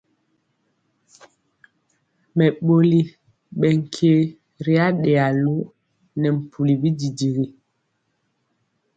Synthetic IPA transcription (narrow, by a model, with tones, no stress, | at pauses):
mɛ˨ɓo˦li˦ | ɓɛ˨ŋ̩˨kʰe˦ | ɾi˦a˦ɗɛ˨a˨lu˦ | nɛ˨m̩˨pʰu˨li˨bi˦di˨di˨ɣi˨